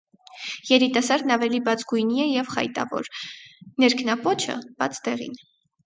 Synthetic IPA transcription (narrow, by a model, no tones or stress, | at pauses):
jɛɾit̪ɑsɑɾd̪nɑvɛlibɑt͡sʰɡujniɛjɛvχɑ̰jt̪ɑ̰vɔ̰ɾnɛɾkʰnɑpɔt͡ʃʰə̰b̥ɑ̰t͡sʰt̪ɛʁḭn